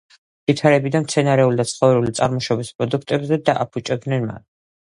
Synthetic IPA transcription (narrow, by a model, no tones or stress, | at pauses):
vit̪ʰaɾɛbid̪anmt̪sʰɛnaɾɛulid̪at̪sʰχɔvɾulit̪sʼaɾmɔʃɔbispʼɾɔd̪ukʰt̪ʼɛbzɛd̪aʔapʰut͡ʃʼɛb̪̚nɛnma̰n